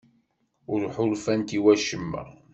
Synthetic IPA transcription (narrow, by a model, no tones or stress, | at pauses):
ʊɾħʊlfænt̪iwæʃəmːə̰ʁ